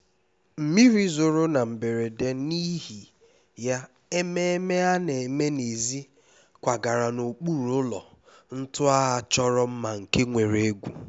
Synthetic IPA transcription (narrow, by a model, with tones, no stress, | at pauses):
m̩˨mi˦ɾi˦zo˨ɾo˦na˨m̩˨be˨ɾe˨de˦ni˦ɦi˨ | ja˦ | e˦me˦e˦me˦a˦ne˨˦me˦ne˨zi˦ | kʷa˨ɡa˨ɾa˨no˨k͡pu˦ɾʊ˦lɔ̰˨ | n̩˦tʊ˦a˦a˨t͡ʃɔ˦ɾɔ˦m̩˦ma˨ŋ̩˨ke˦ŋʷe˨ɾe˨e˦ɡʷṵ˨